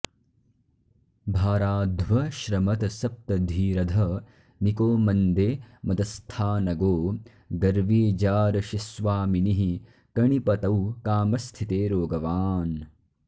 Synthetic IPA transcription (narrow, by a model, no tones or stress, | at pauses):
bʱaːɾaːd̪ʱʋɐʃɾɐmɐt̪ɐsɐp̚t̪ɐd̪ʱiːɾɐd̪ʱɐ | nikoːmɐnd̪eːmɐd̪ɐst̪ʰaːnɐɡoː | ɡɐɾʋiːd͡ʒaːɾɐʃisʋaːminiɦi | kɐɳipɐt̪ɐwkaːmɐst̪ʰit̪eːɾoːɡɐʋaːn